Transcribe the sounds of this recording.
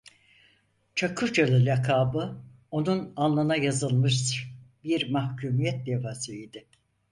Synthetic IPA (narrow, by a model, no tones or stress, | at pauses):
t͡ʃʰakʰɯɾt͡ʃʰalˠɯɾʲakʰaːbɯ | o̞nunanlˠanajazɯlˠmɯʃbiɾmahcʰuːmijɛt̪̚d̪evazɯid̪ɪ